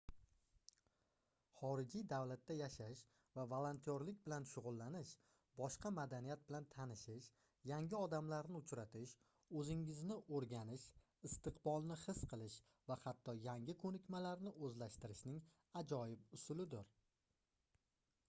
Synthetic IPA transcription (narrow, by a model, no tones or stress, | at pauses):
χɒɾɪd͡ʒijd̪awlat̪ʰːajaʃaʃ | vavalˠant̪ʰijɒɾlɪkʲbɪlanʃʊʁʊlˠːanɪʃ | bɒʃqɑmad̪anijat̪̚bɪlant̪ʰanɪʃɪʃ | jaŋʲɪɒd̪amlaɾnɪʊt͡ʃɾat̪ʰɪʃ | ɵzɪŋɪznɪʔoɾɡʲanɪʃ | ɪst̪ɨqbɒlˠnɪχɪsqʰɨlˠɪʃ | vahat̪ʰːɒjaŋɡʲɪkʰɵnɪkʲmalaɾnɪʔɵzlaʃt̪ɪɾɪʃnɪŋ | ad͡ʒɒjɪpʊsʊlɪd̪ɪɾ